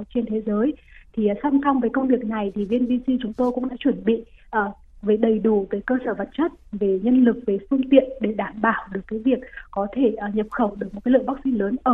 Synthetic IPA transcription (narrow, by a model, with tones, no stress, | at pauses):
t͡ɕe˧nt̪ʰe˨˦zəː˨˦jt̪ʰi˨˩˨sa˧msa˧wŋ͡mvəː˨˦jkə˧wŋ͡mvi˨˩ək̚na˨˩jt̪ʰi˨˩vi˧ənɓi˧si˧t͡ɕʊ˨˦ŋ͡mt̪o˧jkʊ̰˧˥ŋ͡mɗa̰ː˧˥t͡ɕwə˧˩nɓḭ˧˨ʔəː˨˩ | ve˨˩˦ɗə˨˩jɗu˧˩t̪əː˨˦jkəː˧səː˧˩və˨˩t̚t͡ɕə˦˥t̚ve˨˩ɲə˧nlɨ˨˩k̚ve˨˩fɨ˧əŋt̪ḭ˧˨ənɗe˧˩ɗaː˧˩mɓaː˧˩wɗɨ˨˩əkːaː˨˦jvi˨˩ək̚ːɔ˨˦t̪ʰe˧˩ʔɲə˨˩p̚xə˧˩wɗɨ˨˩k̚mo˨˩aː˨˦lɨ̰˧˨jɓa˦˥k̚sḭ˧˥ləː˨˦nʔəː˧˩